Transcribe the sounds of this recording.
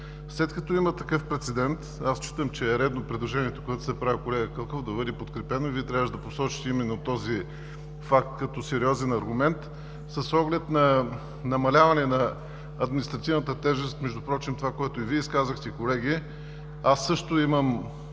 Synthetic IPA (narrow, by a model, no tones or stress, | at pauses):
slɛt̪̚kɐt̪ɔimət̪ɐkɤfpɾɛt̪sɛd̪ɛnt̪ast͡ʃi̥t̪əmt͡ʃɛːɾɛd̪nopɾid̪lˠoʒɛniɛt̪o̥koɡat̪ʊ̥sɛpɾavʲikolɛɡəkəlˠkofd̪ɐvɤd̪ipot̪kɾɛpɛnoivit̪ɾʲavəʃd̪ɐposɔt͡ʃi̥t̪imɛnːot̪ɔzi | fak̚t̪kɐt̪ɔsɛɾiɔzɛnɐɾɡʊmɛnt̪ | səsɔɡlɛt̪nɐ | nɐmɐlʲavɐnɛnɐ | ɐd̪minist̪ɾɐt̪ivnət̪ət̪ɛʒɛst̪mɛʒd̪upɾɔt͡ʃimt̪ovakoɛt̪oiviɛiskazəxt̪ɛikolɛɡ̟i | asːɤʃt̪ʊiməm